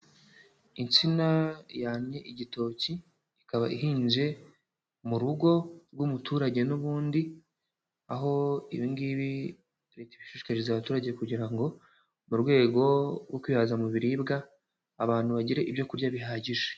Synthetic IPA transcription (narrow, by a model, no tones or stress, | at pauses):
int͡sinajaːɲɲe̞ʔiɟito̞ciː | kaβaʔiɦiːnʒe̞ | muɾuɡo̞ɾɡwumutʰuːɾaɟe̞nuβuːndi | aɦo̞iβiŋɡiβi | ɾetiβiʃeʃkaɾezaβatuːɾaɟe̞kuɟiɾaŋɡo̞ | muɾɡwe̞ːɡo̞ɡokwiːhazamuβiɾibɡaː | βaːn̥uβaɟiɾe̞ʔibjo̞kuɾɟaβiɦaːɟiʒe